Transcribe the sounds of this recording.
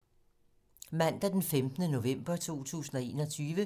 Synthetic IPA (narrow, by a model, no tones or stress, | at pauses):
mæn̰d̥æd̥enfemd̥nəno̝ʋem̰b̥ɐt͡sʰo̝̰ːt͡sʰṵːsn̩ɒ̽e̝̰ːnɒ̽t͡sʰyːʋə